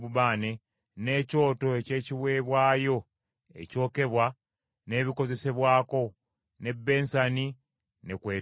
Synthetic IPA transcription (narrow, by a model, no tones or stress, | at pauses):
uβaːne̞ | ne̞ːco̞ːto̞ece̞ːciβwe̞ːβwaːjo̞ | e̞̰co̞ːke̞βwa | ne̞ːβiko̞ze̞se̞βwaːko̞ | ne̞bːe̞ːnsani | ne̞kweː